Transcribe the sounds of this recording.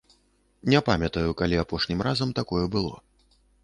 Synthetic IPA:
nʲɛpamʲɐt̪ɐjukalʲiapɔʂnʲimrazɐmt̪akɔjɛbɨlˠɔ̰

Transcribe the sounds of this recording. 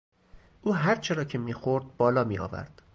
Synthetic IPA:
ʔuːɦæɾt͡ʃʰe̞ɾɒːcʰe̞miːxoɾd̪̚bɒːlɒːmiːɒ̰ːvæ̰ɾd̪̥

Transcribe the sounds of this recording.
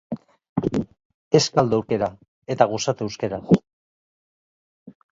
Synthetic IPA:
e̞skald̪oewɾke̞ɾa | e̞t̪aɣ̞osat̪uewskeɾas

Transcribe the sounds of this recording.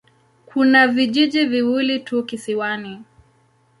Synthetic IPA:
kʰunaviʄiʄiviwilitukisiwani

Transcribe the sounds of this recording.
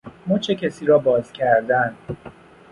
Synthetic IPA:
mot͡ʃʰecʰæsiːɾɒːbɒːzcʰæɾd̪æn

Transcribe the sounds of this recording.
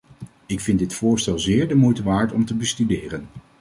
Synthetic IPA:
ɪkfɪndɪtfʊːɹstɛlˠzɪːɹdəmujtəʋaːɹtɔmtəbəstydɪːrən

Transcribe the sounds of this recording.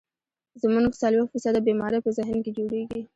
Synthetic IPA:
zmuɡt͡salwext̪fisad̪əbemɑɾəpəzɪɦnked͡ʒoɽeɡi

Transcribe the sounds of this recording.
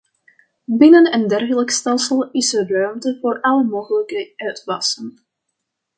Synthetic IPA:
bɪnənəndɛrɣələkstɛlˠsəlˠɪsərœɥmtəvoːɹʔɑləmowχələkəœɥtʋɑsən

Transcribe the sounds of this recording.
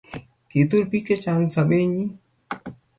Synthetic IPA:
kit̪uɾpiket͡ʃaːnsɐbeɲi

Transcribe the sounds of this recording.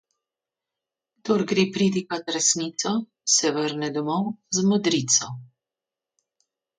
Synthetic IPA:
d̪oɾɡɾeːpɾid̪ikat̪ɾɛsnit̪sɔ | sɛʋəɾnɛd̪ɔmɔwzmɔd̪ɾit̪sɔ

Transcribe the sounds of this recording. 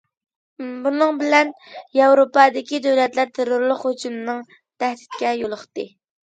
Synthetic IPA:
bunɨŋbɪlɛnjɑwɾopɑd̪ɪkʲid̪øwlɛt̪læɾt̪ʰeɾʊɾlˠəχhod͡ʒumnɨŋ | t̪ʰæhd̪ɪt̪̚kʲɛjolˠəχt̪ɨ

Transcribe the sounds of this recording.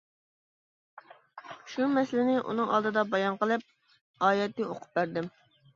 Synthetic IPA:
ʃumɛsɪlɪnɪʔṵnɨŋɑ̰lˠd̪ɨd̪ɑbɑjɑnqəlˠɨp̚ | ɑːjɛt̪ːɪoqʰʊ̥p̚bæɾd̪ɪm

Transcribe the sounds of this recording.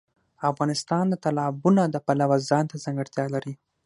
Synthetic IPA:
afɣɑnɪst̪ɑnd̪ət̪alɑbunad̪əpalawazɑnt̪azaŋɡaɽt̪jɑlaɾi

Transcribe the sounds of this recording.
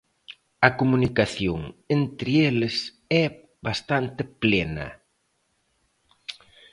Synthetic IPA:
ɐkomunikaθjoŋent̪ɾɪelɪs | ɛ | bast̪ant̪ɪplenɐ̰

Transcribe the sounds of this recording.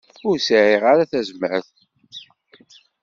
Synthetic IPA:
ʊɾsʕiʁaɾaθæzməɾθ

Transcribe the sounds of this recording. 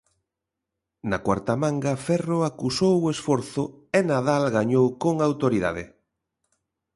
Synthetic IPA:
nakwaɾt̪amãŋɡɐfɛroakusowʊesfɔɾθʊ | enaðalɣaɲowkoŋawt̪oɾiða̰ðɪ

